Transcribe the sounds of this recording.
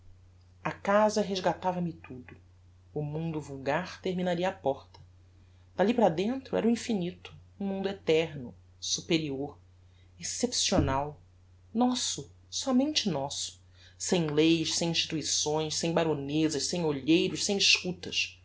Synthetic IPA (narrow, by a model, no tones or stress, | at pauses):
ɐkazɐɦeʒɡat̪avɐmɪt̪ud̪ʊ | ʊmũnd̪ʊvuwɡaɾt̪eɾminaɾiɐaːpɔɾt̪ɐ̥ | d̪̥alipɾɐd̪ẽnt̪ɾʊɛ̰ɾʊĩfinit̪ʊ̥ũmũnd̪ʊet̪ɛɾnʊ | supeɾioɾ | esepsionaw | nɔsʊ | sɔmẽnt͡ʃɪnɔsʊ̥ | sẽj̃lejʃsẽj̃ĩʃt͡ʃi̥t̪uisõj̃ʃsẽj̃baɾonezɐʃsẽj̃oʎejɾʊʃsẽj̃iʃkut̪ɐʃ